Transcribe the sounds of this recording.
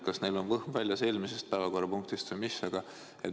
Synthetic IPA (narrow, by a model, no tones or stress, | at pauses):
kɑsne̞jlo̞nvɤhmvælʲjɑse̞ːlʲmise̞st̪̚pæevɑko̞rːɑpuŋk̚t̪ist̪vɤjmisːɑɡ̥ɑ | et̪